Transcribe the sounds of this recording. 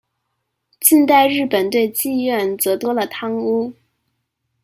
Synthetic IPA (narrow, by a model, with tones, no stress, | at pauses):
t͡ɕi˥˧nt̪a˥˧ɪɻɻ̩˥˩pə˨˩nt̪we˥˧ɪt͡ɕi˥˧ɥɛ˥˩nt͡sɤ˧˥t̪wɔ˥lə˨t̪ʰɑ˥ŋu˥